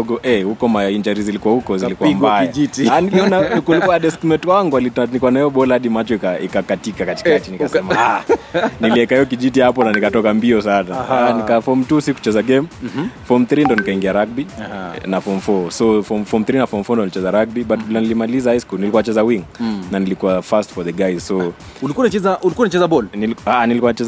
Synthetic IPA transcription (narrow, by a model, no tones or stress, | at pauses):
ɔɡɔʔɛhukɔmaind͡ʒaɾizilikuahukɔzilikumbaajd͡ʒitianiliɔnakulikuaɗɛskmɛtwaŋɡualinikuanaɛɔɓɔlahaɗimat͡ʃɔikaḭkakatikakati̥kaat͡ʃinikasɛmaaniliɛkaiɔk̬iʄitihapɔnanikatɔkambiɔsanaanikafɔm̩tusiku̥t͡ʃɛzaɡɛmfɔmθɾindɔnikaiŋɡiaɾak̚binafɔmfɔsɔfɔmfɔmθɾinafɔmfɔndɔnilit͡ʃɛzaɾak̚biɓatkilanilimalizaajskulnilikuanat͡ʃɛzawiŋnanilikuafastfɔðɛɡajzsɔ | ulikuanat͡ʃɛzaʔulikuaunat͡ʃɛzabɔlniaanilikuanat͡ʃɛz